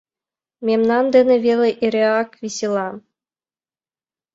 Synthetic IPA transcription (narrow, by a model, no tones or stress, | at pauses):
mʲemnɑnd̪ɘ̆nʲɘ̆ʋʲelʲɘ̆ʔiɾʲeɑkʋʲisʲilˠɑ